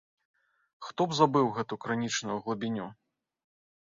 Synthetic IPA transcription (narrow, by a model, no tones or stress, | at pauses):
xt̪ɔbzabɨwɣɛt̪ukɾanʲit͡ʂnujɐɣlˠɐbʲinʲu